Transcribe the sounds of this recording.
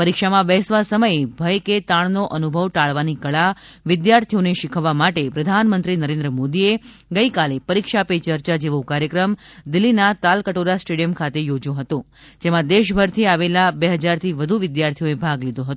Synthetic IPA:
pəɾikʃamãbɛsʋasəməjebʱəjket̪aɳ̃noʔənubʱəʋʈaɭʋanikəɭa | ʋɪd̪jaɾt̪ʰijoneʃɪkʰəʋːamaʈepɾəd̪ʱanmənt̪ɾinəɾẽnd̪ɾəmod̪ie | ɡəikalepəɾikʃapet͡ʃəɾt͡ʃad͡ʒeʋokaɾjəkɾəm | d̪ɪlːinat̪alkəʈoɾasʈeɽijəmkʰat̪ejod͡ʒõɦət̪õ | d͡ʒemãd̪eʃbʱəɾt̪ʰiaʋelabeɦəd͡ʒaɾt̪ʰiʋəd̪ʱuʋɪd̪jaɾt̪ʰijoebʱaɡlid̪oɦət̪o

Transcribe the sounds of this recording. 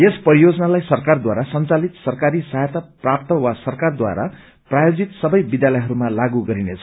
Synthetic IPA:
jespʌijod͡zʌnalajsʌrkard̪waɾasʌnt͡salit̪sʌrkaɾisajet̪aprap̚t̪ʌwasʌrkard̪wa̰ɾa̰ | prajod͡zit̪sʌbʌjbid̪jalʌjɦʌɾumalaɡuɡʌɾinet͡sʰʌ

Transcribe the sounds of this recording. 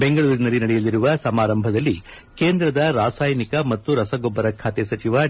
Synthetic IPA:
beŋɡɐɭuːɾinɐlːinɐɽɛjɐlːiɾuʋɐsɐmaːɾɐmbʱɐd̪ɐlːi | keːnd̪ɾɐd̪ɐɾaːsaːjɐnikɐmɐt̪ːuɾɐsɐɡobːɐɾɐkʰaːt̪ɛsɐt͡ʃiʋɐ

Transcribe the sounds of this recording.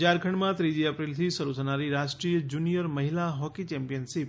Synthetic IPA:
d͡ʒaɾkʰəɳɖmãt̪ɾid͡ʒiəpɾilt̪ʰisəɾusʰənaɾiɾaʃʈɾijəd͡ʒunijəɾməɦilaɦɔkit͡ʃɛ̃mpijənsip̚

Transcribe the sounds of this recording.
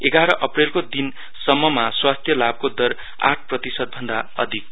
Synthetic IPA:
eɡaɾʌʔʌprelkod̪in | sʌmːʌmaswast̪ʰjʌlab̚kod̪ʌɾ | a̰ʈʰprʌt̪isʌd̪̚bʱʌnd̪aʌ̰d̪ʱik̚

